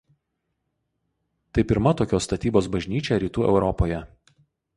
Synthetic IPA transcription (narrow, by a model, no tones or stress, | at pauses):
t̪ɐɪpʲɪɾmɐt̪oːkʲoːst̪ɐt̪ʲiːboːsbɐʒʲnʲiːt͡ʃʲɛɾʲiːt̪uːɛ̰ʊɾɔpoːjɛ